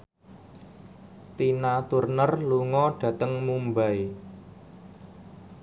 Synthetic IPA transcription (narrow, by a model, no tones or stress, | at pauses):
t̪inat̪urnərluŋɔɖ̥ä̤t̪əŋmumbaj